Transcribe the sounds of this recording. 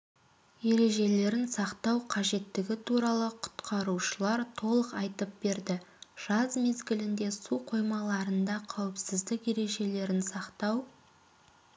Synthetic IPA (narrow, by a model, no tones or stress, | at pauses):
je̞ɾe̞ʒe̞le̞ɾɪnsɑqt̪ɑwqʰɑʒe̞t̪ːɪɡʲɪt̪ʰuɾɑlˠəqʰʊ̥t̪qʰɑɾuʃəlˠɑɾt̪ʰo̞lˠəqɑjt̪əp̚be̞ɾd̪ɪʒ̥ɑzme̞zɡʲɪlɪnd̪e̞suqʰo̞jmɑlˠɑɾənd̪ɑqʰɑwɪpsɪzd̪ɪkje̞ɾe̞ʒe̞le̞ɾɪnsɑqt̪ɑw